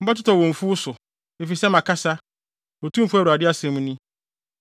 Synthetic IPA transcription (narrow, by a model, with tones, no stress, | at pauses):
m̩˦ba˦t̬ʊ˦tɔ˨wɔ̃˨ɱ̩˨fu˦sʊ˨ | e˨fi˨sɛ˦mã˨kʰa˦sa˦ | o˨tʰũ˦m̩˦fu˦ɛ˦˨ɾa˨dɪ˦a˦sɛ̃˦mũ˦nĩ˦